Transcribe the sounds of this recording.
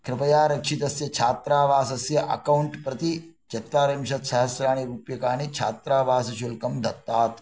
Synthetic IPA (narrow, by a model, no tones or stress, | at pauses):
kɾɪpɐjaːɾɐkʂit̪ɐsjɐt͡ʃʰaːt̪ɾaːʋaːsɐsjɐʔɐ̰kɐwɳʈpɾɐt̪i | d͡ʒɐt̪ːaːɾɐmʃɐt̪ʃɐɦɐsɾaːɳ̃iɾuːpjɐkaːnit͡ʃʰaːt̪ɾaːʋaːsɐʃulkɐmd̪ʱɐt̪ːaːt̪